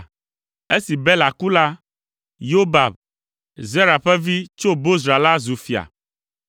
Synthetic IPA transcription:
e˦si˨bɛ˦la˨ku˦la˦ | jo˦ba˨b | ze˦ɾa˨ɸɛ˦vi˦t͡ʃo˦bo˦sɾa˨la˦zu˨fi˨a̰˨

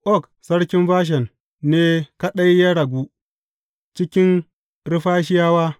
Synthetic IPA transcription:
ʔɔ˦˨k | sɐ˦ɽkʲɪ˦mɸaː˦ʃ̬ɛ˨nː | eː˦ka˦ɗa˦jːa˦ɽɐ˨ɡʷu˦ | t͡ʃɪ˦kʲɪ˦n | ɾɪ˦ɸaː˦ʃ̬ɪ˦jaː˦waː˦

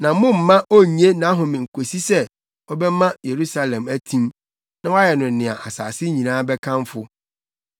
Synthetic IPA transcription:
nã˨mʊ̃˦m̩ː˨ã˦ʔo˦ɲ˦e˦nã˨˦ɦʊ̃˨mɪ̃˨ŋ̩˨kʰo˨si˦sɛ˦ | ɔ˦bɛ˦mã˦je˨ɾu˦sa˨lɛ̃˨mæ˦tʰĩ˦m | nã˦wa˦jɛ˨nʊ̃˨n̩˨nɪ̃˨a̰˨ʔa˨sa̰ː˨sɪ˦ɲĩ˨nãː˦bɛ˦kʰã˦mfʊ˦

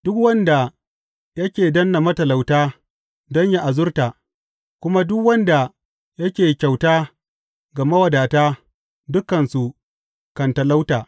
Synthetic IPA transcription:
d̥ʊ˦kwɐ˦nda˨ | jɐ˦kʲeː˨dɐ˦nːa˨mɐ˦tɐ˨la˨wtaː˦ | dɔ˦ɲja˦ʔa˨zʊ˦rtaː˨ | kʷʊ˦ma˦dʊ˦kwɐ˦nda˨ | jɐ˦kʲeː˨kʲa˨wtaː˦ | ɡa˨mɐ˦wɐ˨daː˨taː˦ | dʊ˦kːɐ˨nsu˨ | kɐ˨ntɐ˨la˦wtaː˨

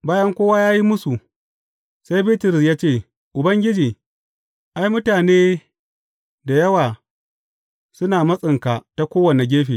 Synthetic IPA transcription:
baː˦jɐ˦ŋkʷoː˦waː˦jaː˦ji˦mʊ˦su˨ | sa˦jbi˦tɪ˨ɾɪ˨sjaː˦t͡ʃeː˦˨ | ʔʊ˨bɐ˦ŋɡʲɪ˦d͡ʒiː˨ | ʔa˦jmʊ˦taː˨neː˦ | da˨jɐ˦waː˨ | sʊ˦naː˨mɐ˦sʼɪ˨ŋka˨ta˦kʷoː˦wɐ˨na˨ɡʲeː˦ɸeː˨

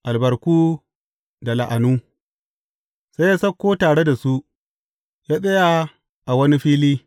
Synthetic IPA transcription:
ʔa˨lbɐ˨ɾkuː˦ | da˨la˨ʔa˨nuː˦ | sa˦ja˦sɐ˦kːoː˦taː˨ɽe˦da˨su˦ | jaː˦sʼɐ˦ja˦ | ʔa˨wɐ˦ni˦ɸiː˦liː˦

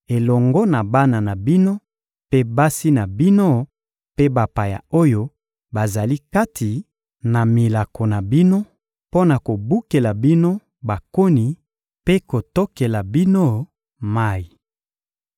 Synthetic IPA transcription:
e˨lɔ˨ŋɡɔ˦na˨ba˦na˨na˨bi˦no˦ | pe˦ba˦si˦na˨bi˦no˦ | pe˦ba˨pa˨ja̰˨o˦jo˦ | ba˨za˨li˦ka˦tʰi˨ | na˨mi˨la˨kʰo˨na˨bi˦no˦ | po˦na˨ko˨bu˦ke˨la˨bi˦no˦ | ba˨ko˦ni˨ | pe˦ko˨to˦ke˨la˨bi˦no˦ | ma˦ji˨

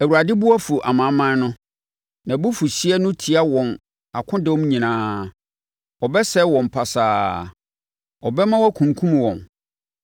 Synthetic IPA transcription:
æ˨wu˨ɾa˨dɪ˦bu˦a˦fu˨ʔa̰˨mã˨˦mã˦nʊ̃˦ | nã˨bʊ˦fu˨ɕi˦ɛ˦nʊ̃˦tʰi˨a˦wɔ̃˨n | a˨kʰʊ̃˦dɛ˦wɔ˦m˦ɲĩ˨nãː˦ | ɔ˨bɛ˦sɛ˦wɔ̃˨m˨pʰa˨saː˨ | ɔ˨bɛ˦mã˦wɔ˦kʰũ˨ŋ˨kʰũ˦m˨wɔ̃˨n

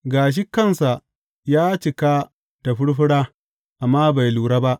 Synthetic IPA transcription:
ɡaː˨ʃ̬i˦kɐ˦˨nsa˨ | jaː˦t͡ʃɪ˨ka˦ | d̥a˨ɸʊ˦ɽɸɪ˦ɽaː˦ | ʔa˨mːaː˦ba˨jluː˨ɽaː˦ba˦ʔ

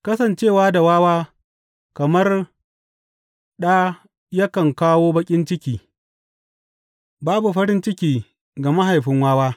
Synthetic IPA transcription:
kɐ˦sɐ˨nt͡ʃeː˦˨waː˦da˨waː˦waː˦ | kɐ˨mɐ˦r | ɗa˦ | jɐ˦kɐ˨ŋkaː˦woː˦bɐ˦kʲʼɪ˦nt͡ʃɪ˦kʲiː˨ | baː˦bu˨ɸɐ˦ɽɪ˦nt͡ʃɪ˦kʲiː˨ | ɡa˨ma˦ɦa˨jɸɪ˦ŋwaː˦waː˦

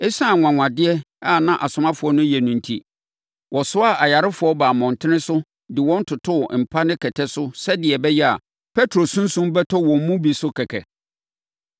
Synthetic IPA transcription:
ɛ˦sã˦˨ŋʷã˨ŋʷã˨dɪ˦ɛ˦ | a˦˨nã˦ʔa˨sʊ̃˨mã˦fʊ˨˦ɔ˦nʊ̃˦jɛ˨nũ˨n̩˨tʰḭ˦ | wʔɔ˨sʊ˦a˦˨ʔa˨ja˨ɾɪ˦fʊ˨˦ɔ˦baː˨mɔ̃˨n˨tʰɪ̃˦nɪ̃˦sʊ˦ | dɪ˨wɔ̃˦n̩˦tʰʊ˨tʰʊ˦˨m̩˨pʰa˦nɪ̃˦kʰɛ˨tʰɛ˦sʊ˦sɛ˦dɪ˨ɛ˨bɛ˦jɛ˦a˨ | pʰɛ˦tʰɾo˨sũ˦n̩˦sũ˦mbɛ˦tʰɔ˦wɔ̃˨m̩˦mũ˦bi˨sʊ˦kʰɛ˨kʰɛ̰˨

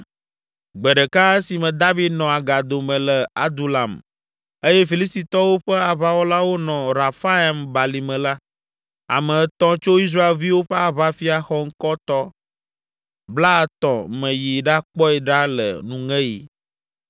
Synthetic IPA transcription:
ɡ͡bɛ˨ɖɛ˨ka˦e˦si˨mɛ̃˨d̪a˦vi˦d̪nɔ̃˨a˨ɡa˨d̪o˨mɛ̃˨lɛ˨a̰˦d̪u˨la˨m | e˦jɛ˦fi˨li˦st̪i˨t̪ɔ˦wo˦ɸɛ˦a˨βa˦wo˦la˦wo˦nɔ̃˨ɾa˨fa˦a˨mba˨li˨mɛ̃˨la˦ | a̰˨mɛ̃˨˦t̪ɔ̃˦t͡ʃo˦i˦s̬ɾa˦e˨lvi˦wo˦ɸɛ˦a˨βa˦fi˦a˨xɔ˦ŋ̩˦kɔ˦t̪ɔ˦ | bla˦˨t̪ɔ̃˨mɛ̃˨ji˨ɖa˦k͡pɔ˦ɛ˨ɖa˦lɛ̰˨nũ˦ŋɛ̃˦jḭ˨

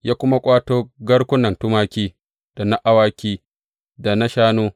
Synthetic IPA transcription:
jaː˦kʷʊ˦ma˦kʷʼaː˦toː˦ɡɐ˦ɽkʷʊ˦nɐ˨ntʊ˦maː˦kʲiː˦ | d̥a˨na˦ʔa˦waː˦kʲiː˦ | da˨na˦ʃaː˦noː˦

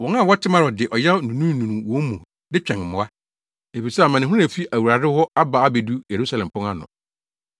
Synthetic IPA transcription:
wɔ̃˨nã˦˨wɔ˦tʰɪ˦mã˦ɾɔ˨dɪ˨ʔɔ˨jɛ˦nũ˨nũ˦nũ˨nũ˨wɔ̃˦mũ˨ | dɪ˦t͡ɕᶣɛ̃˨ŋm̩˨mʊ̃˨a˦ | e˨fi˨sɛ˦a˨mã˨nɪ̃˨ɦũ˦ɾfi˦ʔæ˨wu˨ɾa˨dɪ˦hɔ˦a˦ba˨a˦be˨du˦je˨ɾu˦sa˨lɛ̃˨m˨pʊ̃˦ŋa˦nʊ̰̃˨

